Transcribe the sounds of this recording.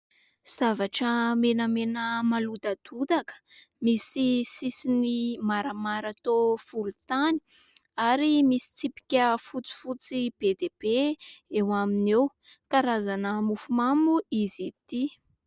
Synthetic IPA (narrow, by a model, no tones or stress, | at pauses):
z̥avaʈ͡ʂəmenəmenəmalud̪ad̪̥ud̪akə̥misisisinimaɾamaɾat̪ofulut̪ani̥ | aɾimisi̥t͡sipi̥kʲəfut͡si̥fut͡sib̥ed̪eb̥eewaminew | kaɾazanəmufumamuizit̪i